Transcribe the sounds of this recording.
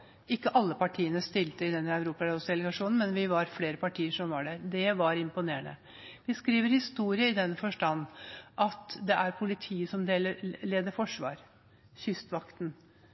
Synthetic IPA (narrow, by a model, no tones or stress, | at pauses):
ɪkːəʔɑlːəpʰɑʈʰiːənəst̪ɪlt̪əɪd̪ɛnːəœʉɾuːpɑɔsd̪ɛləɡɑʂuːnn̩mɛnʋɪʋɑɾfleːɾəpʰɑʈʰiːəʂɔmʋɑɖæɾd̪ɛʋɑɾɪmpʊneːəɳə̰ | ʋɪskɾiːʋəɾhɪst̪uːɾɪəɪd̪ɛnːəfɔʂʈɑnːʔɑt̪d̪ɛʔæɾpʰʊlɪt̪ʰiːəsɔmd̪eːləleːd̪əɾfɔʂʋɑ̰ːɾ | çʏst̪ʋɑkt̪n